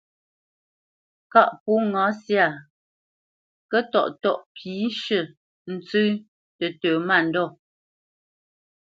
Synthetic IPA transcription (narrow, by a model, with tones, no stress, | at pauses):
ka˦ʔpu˨˦ŋã˨˦sja˦˨ | kə˦tɔ˨ʔtɔ˦˨ʔpʰiː˨˦ʃə˦˨ | n̩˨t͡sʉ˦ | tə˨təː˨ma˦˨n̩˨dɔ˦˨